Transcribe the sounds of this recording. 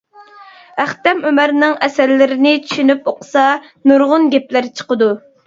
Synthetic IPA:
æχt̪ɛmømæɾnɪŋɛsæɾlːɪɾɪnɪt͡ʃʰy̥ʃynypoqə̥sɑ | nuɾʁʊnɡʲɛplæɾt͡ʃʰə̥qəd̪u

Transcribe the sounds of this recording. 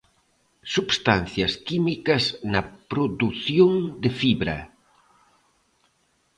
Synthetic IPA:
subst̪an̟θjɐskimikɐznɐpɾoðuθjoŋd̪efiβɾɐ̰

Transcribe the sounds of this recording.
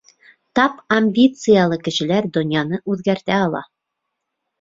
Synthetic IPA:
t̪ɑpamʲbʲit̪sɨjalˠɤkɘ̆ʃɘ̆læɾd̪ŏnʲjɑnɤʔʉðɡæɾt̪æɑlˠɑ̰

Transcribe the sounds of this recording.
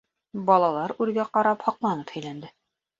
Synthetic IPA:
bɒlˠɑlˠɑɾʉɾɡæqɑɾɑphɒqlˠɑnɤphæ̆jlænd̪ɘ

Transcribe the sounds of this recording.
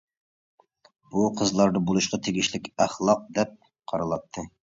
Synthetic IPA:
b̥uqʰəzlˠɑɾd̪ɑbolˠuʃqɑt̪ʰeɡʲiʃlɪkʲæχlˠɑq̚d̪ɛp̚ | qʰɑɾɑlˠɑt̪ʰːɨ

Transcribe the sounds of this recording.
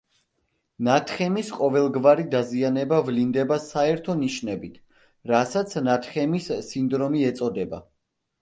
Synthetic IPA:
nat̪ʰχɛmisqʼɔvɛlˠɡvaɾid̪azianɛbavlind̪ɛbasaɛɾt̪ʰɔniʃnɛbit̪ʰ | ɾasat̪sʰnat̪ʰχɛmisːind̪ɾɔmiɛt̪sʼɔd̪ɛba̰

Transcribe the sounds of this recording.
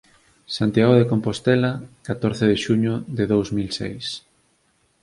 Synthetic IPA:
sant̪jaɣoðekompost̪ɛlakat̪oɾθeðeʃuɲʊðeðowzmilsḛjs

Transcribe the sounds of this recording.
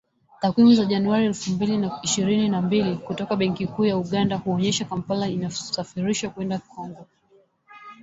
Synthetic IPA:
takwimuzaʄanuaɾiɛlfumbilinaiʃiɾininambilikutɔkaɓɛŋkikuːjauɠandahuɔɲɛʃakampalainasafiɾiʃakwɛndaikɔŋɡɔ

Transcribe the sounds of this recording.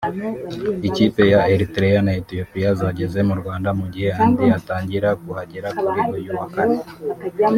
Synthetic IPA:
iciːpe̞jaeɾitɾejanaetio̞pijazaɟe̞ze̞muɾwaːndamuɟihe̞aːndiataːɲɟiɾakuhaɟeɾakuɾiɡojuwakaɾe

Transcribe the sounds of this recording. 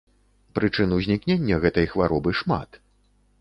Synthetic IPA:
pɾɨt͡ʂɨnuzʲnʲiknʲenʲːɐɣɛt̪ɐjxvaɾɔbɨʂma̰t̪

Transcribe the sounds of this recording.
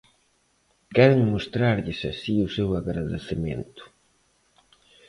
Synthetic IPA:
kɛɾeŋmost̪ɾaɾʎɪsa̰siʊsewaɣɾaðḛθemḛ̃nt̪ʊ̥

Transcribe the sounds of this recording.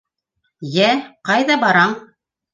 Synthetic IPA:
jæqɑjðɑbɑɾɑɴ

